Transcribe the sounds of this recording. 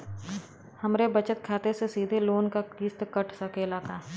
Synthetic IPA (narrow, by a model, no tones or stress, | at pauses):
hɐmɾebɐt͡ʃət̪̚kʰaːt̪esesiːd̪ʱeloːnkakiːst̪kəʈʰsɐkeːlaːkaː